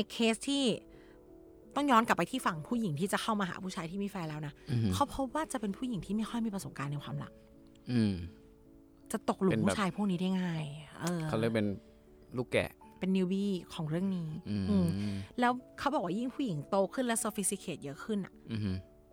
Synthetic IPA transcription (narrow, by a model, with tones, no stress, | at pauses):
ne˧kʰːeː˦˥st̪ʰiː˥˩ | t̪ɔ˥˩ŋjɔː˦˥nka˨˩pːa˧jt̪ʰiː˥˩fa˨˩ŋpʰuː˥˩ji˩˦ŋt̪ʰiː˥˩t͡ɕa˨˩kʰa˥˩wmaː˧ɦa̰ː˨˩˦pʰuː˥˩t͡ɕʰaː˧jt̪ʰiː˥˩miː˧˥˩fɛː˧lɛː˦˥wna˦˥kʰa˦˥wpʰo˦˥p̚waː˥˩t͡ɕa˨˩pe˧npʰuː˥˩ji˨˩˦ŋt̪ʰiː˥ma˥˩jxʰɔ˥˩jmiː˧˩pɾa˧so˨˩˦mkaː˧nːɛ˧jkʰwaː˧mla̰˨˩˦k̚ | ʔɯː˧m | t͡ɕa˨˩t̪o˨˩k̚lu˧pu˥˩t͡ɕʰaː˧jpʰu˥˩kni˦da˥˩jŋaː˥˩jʔɤː˧a˦˥lɤː˧˩pe˧n | luː˥˩kɛ̰˨˩ | pe˧nːi˧wbiː˧˥˩kʰɔː˨˩˦ŋɾɯ˥˩əŋniː˦˥˧ʔɯː˧mlɛː˦˥wkʰa˦˥wbɔ˨˩k̚wa˥˧ji˥˩ŋpʰuː˥˩ji˨˩˦ŋt̪oː˧kʰɯ˥˩nlɛ˦˥wsoː˧fi˦st̪i˧˥kʰeː˨˩t̪̚jɤ˦˥ʔkʰɯ˥˩nʔa̰˨˩ʔ